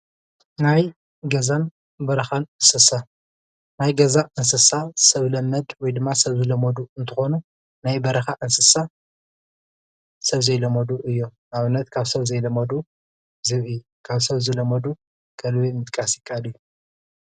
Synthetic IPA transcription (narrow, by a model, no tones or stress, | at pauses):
naj | ɡɐzan | bɐɾɐxanɨnsɨsa | najɡɐzaʔɨnsɨsasɐβlɐmːɐd̪wɔjd̪ɨmːasɐβzɨlɐmɐd̪uɨnt̪ʰɨxo̞nu | najbɐɾɐxaʔɨnsɨsa | sɐβzɐjlɐmɐd̪uʔɨjːo | aβɨnːɐt̪kʰaβsɐβzɐjlɐmɐd̪u | zɨβɨ | kʰaβsɐβzɨlɐmɐd̪u | kʰɐlβimɨt̪ʼkʼasɪkʼːalɨjːu